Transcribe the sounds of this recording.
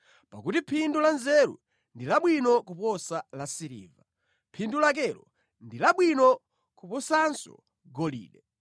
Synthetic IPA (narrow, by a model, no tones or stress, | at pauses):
pakutipʰindulanzɛɾṵ | ndilaɓwinɔkupɔsalasiɾḭːva | pʰindulak̬ɛlɔ | ndilaɓwinɔ | kupɔsansɔ̰ | ɡɔlḭːɗɛ